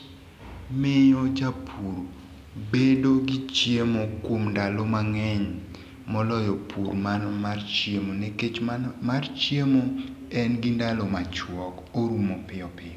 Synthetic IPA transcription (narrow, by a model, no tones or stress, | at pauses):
mɪod͡ʒapʰuɾ | bedoɡit͡ʃjemokomndalɔmaŋɛɲ | mɔlɔjɔpʰuɾmanɔart͡ʃjemoneket͡ʃmart͡ʃjemo | ɛnɡindalɔmat͡ʃwɔk | oɾumopɪɔpɪɔ